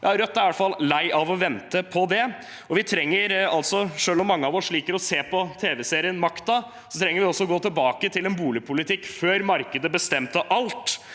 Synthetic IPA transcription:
ʋɪhɑɾœt̪ːæɾɑləfɑlːlæɪʔɑʋɔʋɛnt̪əpʰɔd̪ɛ | ɔʋɪt̪ʰɾɛŋːəɾɑlt̪sɔʂøːlɔmːɑŋːəɑʋɔʂɭiːkəɾɔseːpʰɔt̪ʰeːʋɛseːɾɪənmɑkt̪ɑ | sɔ̥t̪ʰɾɛŋːəɾʋɪɔsːɔɔɡoːt̪ʰɪlbɑːkət̪ʰɪlɛnbuːlɪpʰʊlɪt̪ʰɪkːføːɾmɑɾkəd̪əbəst̪ɛmt̪əʔɑlt̪

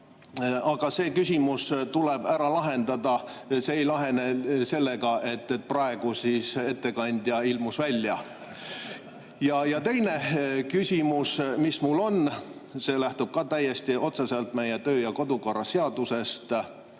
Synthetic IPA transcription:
ɑɡ̥ɑse̞ːkysʲimust̪uleb̥æɾɑlɑɦe̞nd̪ɑd̪ɑseejlɑɦe̞nese̞lːeɡɑʔe̞t̪ˑːet̪̚prɑe̞ɡ̥usise̞t̪ːe̞kɑnʲd̪̥jɑilmusvælʲːjɑ | jɑjɑt̪e̞jne̞kysʲimusmismulːo̞nse̞ːlæht̪ub̥̚kɑt̪æjːest̪iʔo̞t̪seselt̪me̞jet̪ø̞ːjɑko̞d̪̥ukorɑseɑd̪̥use̞st̪

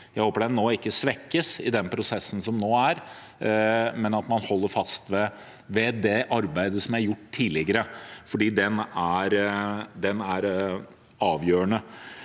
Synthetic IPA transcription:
jæɪhoːpəɖɛnnːoːɪkːəsʋɛkːəsɪ̰d̪ɛnpʰɾʊsɛsːn̩sɔmnoːæɾ | mɛnɑt̪mɑnhɔlːəɾfɑst̪ʋɛ | ʋɛd̪ɛʔɑɾbæɪd̪əsɔmjææɾjʊʈːt̪ʰːiːlɪɡəɾəfɔɖiːd̪ɛnæɾd̪ɛnæɾ | ɑːʋjøːəɳə

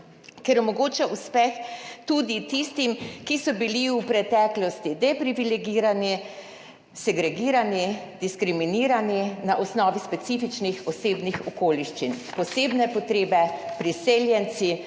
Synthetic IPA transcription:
kɛɾɔmɔɡoːt͡ʃɛuspɛxt̪ud̪it̪ist̪imkisɔbiliupɾɛt̪ɛːklɔst̪id̪ɛpɾiʋilɛɡiːɾani | sɛɡɾɛɡiːɾanid̪iskɾiminiːɾaninaʔɔsnɔːʋispɛt̪sifit͡ʃnixɔseːbnixɔkoːliʃt͡ʃinpɔseːbnɛpɔt̪ɾeːbɛpɾiseːljɛnsi

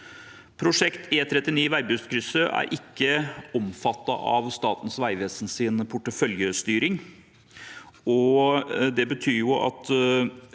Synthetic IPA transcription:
pʰɾʊʂɛkt̪ʰeːt̪ʰɾɛt̪ːɪniːʋæɪbʉst̪kʰɾʏsəʔæ̰ɾʔɪkːəɔmfɑt̪ːɑ̰ʔɑ̰ʋst̪ɑːt̪ən̩sʋæɪʋeːsn̩sɪnpʰʊʈːəfœljəst̪yːɾɪŋ | ɔ | d̪ɛbət̪ʰyːɾjʊʔɑ̰t̪

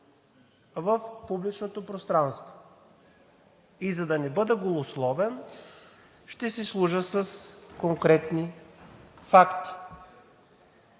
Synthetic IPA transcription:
vəfpublit͡ʃnot̪opɾost̪ɾanst̪vo̥ | izɐd̪ɐnɛbɤd̪ɛɡolˠoslˠɔvɛn | ʃt̪ɛsɛslˠuʒəsəskoŋkɾɛt̪ni | fakt̪i̥

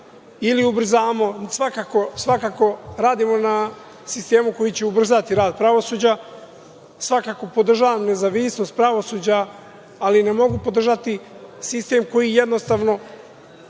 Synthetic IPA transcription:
iliubr̩zamo̞sʋakako̞sʋakaːko̞ɾaːd̪imo̞na | sist̪e̞ːmuko̞jit͡ɕeubr̩zat̪iɾaːd̪̚pɾaʋo̞suːd͡ʑa | sʋakako̞po̞d̪r̩ʒaʋamne̞zaʋisno̞st̪̚pɾaʋo̞suːd͡ʑaː | linemo̞ɡupo̞d̪r̩ʒat̪isist̪e̞mko̞jije̞d̪no̞st̪aʋno̞

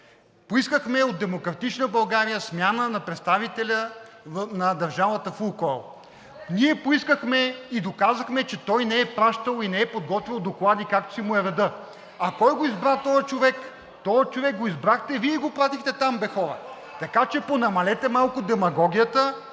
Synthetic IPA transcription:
poiskəxmɛod̪̚d̪ɛmokɾɐt̪it͡ʃnəbɐlˠɡaɾijəsmʲjanənɐpɾɛt̪st̪avit̪ɛlʲə | nɐd̪ɐɾʒavət̪əfukɔlˠ | niɛpoiskəxmɛid̪okazəxmɛt͡ʃɛt̪ɔjnɛɛpɾaʃt̪əlˠinɛɛpod̪̚ɡɔt̪vʲilˠd̪oklˠad̪ikak̚t̪ʊ̥simʊɛɾɐd̪ɤ | ɐkɔjɡoizbɾat̪ɔjət͡ʃovɛk | t̪ɔjət͡ʃovɛk̚ɡoizbɾaxt̪ɛviɛiɡopɾat̪ixt̪ɛt̪ambɛxɔɾə̰ | t̪ɐkat͡ʃɛponɐmɐlɛt̪ɛmalˠkʊd̪ɛmɐɡɔɡʲijət̪ə

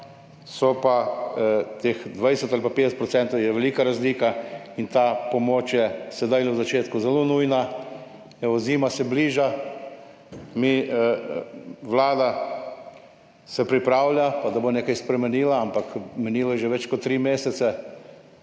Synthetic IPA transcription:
sɔpa | t̪exd̪ʋajsɛt̪alpapeːd̪ɛsɛt̪pɾɔsɛnt̪ɔwjɛʋɛliːkaɾazliːkaint̪aːpɔmoːt͡ʃjɛsɛd̪ajlɛwzat͡ʃeːt̪kuzɛlonujna | ɛɔziːmasɛbliːʒa | mi | ʋlaːd̪a | sɛpɾipɾaːwlʲjapad̪aboneːkajspɾɛmɛniːlaampakmɛniːlɔjɛʒɛʋɛt͡ʃkɔt̪ːɾiːmeːsɛt̪sɛ

